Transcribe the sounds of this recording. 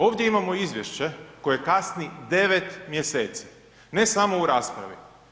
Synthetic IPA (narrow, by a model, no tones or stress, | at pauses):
o̞ːʋd̪je̞imamo̞izʋjeʃt͡ɕe̞ko̞jjekasnid̪e̞ʋe̞t̪mje̞seːt̪si̥ | ne̞samo̞uɾaːspɾa̰ʋi